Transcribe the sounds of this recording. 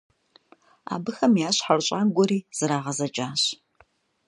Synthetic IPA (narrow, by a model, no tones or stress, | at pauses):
a̰ːbɨxɐmjaːɕħarɕʼaːnɡʷɔɾiːz̥ɨɾaːʁɐzɐt͡ʃʼaːɕ